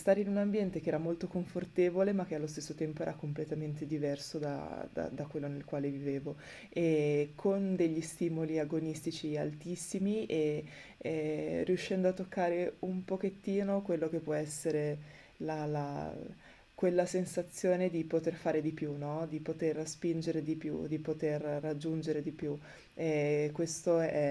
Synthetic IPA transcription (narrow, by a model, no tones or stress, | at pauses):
st̪aːɾeinunambjɛnt̪ek̟eɛːɾamolt̪okoɱfort̪eːvolemak̟ːealːost̪esːot̪ɛmpoɛːɾakomplet̪ament̪ed̪ivɛrsod̪a̰d̪a̰d̪akwelːonelkwaːleviveːvo | ekʰond̪eʎːist̪iːmoliaɡonist̪it͡ʃia̰lt̪isːimie | riuʃːɛnd̪oat̪ːokːaːɾeumpoket̪ːiːnokwelːokepːwɔɛsːeɾe | lala̰ | kwelːasensat̪sːjoːned̪ipot̪erfaːɾed̪ipjunɔd̪ipot̪erspind͡ʒeɾed̪ipjṵd̪ipot̪erːad͡ʒːund͡ʒeɾed̪ipju | ɛkːwest̪oɛ